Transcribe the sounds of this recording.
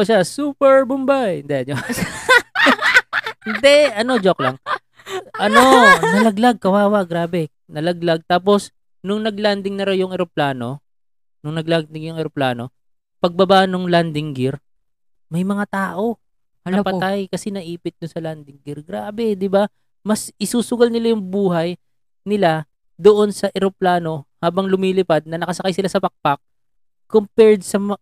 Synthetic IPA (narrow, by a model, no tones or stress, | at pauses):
oʃasuːpɛɹbʊmbajɪnd̪ɛɐɲos | ɪnd̪ɛɐno̞d͡ʒoklaŋ | ʔɐnonɐlɐɡlaɡ̚kɐwaːwɐɡɾaːbɛ | nɐlɐɡlaɡ̚t̪aːp̬o̞s | nʊŋnɐɡland̪ɪŋnɐɾawjʊŋɛɾoplaːno̞ | nʊŋnɐɡlaɡd̪ɪŋjʊŋɛɾoplaːno̞ | pɐɡ̚bɐbaʔnʊŋland̪ɪŋɡɪɾ | mɐjmɐŋat̪aːʔo̞ | ɐpɐt̪ajkɐsɛnɐʔiːpɪt̪̚d̪ʊnsɐland̪ɪŋɡɪɾɡɾaːbɛd̪ɪba | mɐsɪsuːsʊɡɐlnɪlajʊŋbuːɦɐj | nɪla | d̪oʔo̞nsɐʔɛɾoplaːno̞haːbɐŋlʊmiːlɪpad̪̚nɐnɐkɐsɐkajsɪlasɐpɐk̚pak̚ | kompɛɹd̪̚sɐm